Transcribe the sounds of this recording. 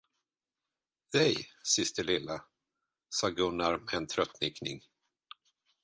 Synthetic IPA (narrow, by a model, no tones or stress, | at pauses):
d̪ɛjsɪst̪əɭɪlːa | sɑːɡɵnːaɾmɛnt̪ʰɾœt̪ːnɪknɪŋ